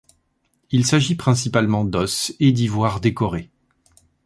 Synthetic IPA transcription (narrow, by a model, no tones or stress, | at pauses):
ilsaʒipχɛ̃sipalmɑ̃d̪ɔsed̪ivwaʁd̪ekɔʁe